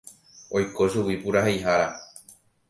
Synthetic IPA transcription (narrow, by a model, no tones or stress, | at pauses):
ojkoʃuwipuɾaɦejɦaɾa